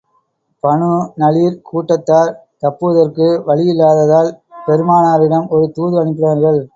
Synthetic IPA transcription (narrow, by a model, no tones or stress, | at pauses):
pɐɳɯnɐliːɾkʰuːʈːɐt̪ːaːɾ | t̪ɐpːɯʋɐðɐrkɯʋɐɭɪjɪlːaːðɐðaːlpɛɾɯmaːnaːɾɪɽɐmɔɾɯt̪uːðɯɐɳɪp̬ːɪraːɾɣɐɭ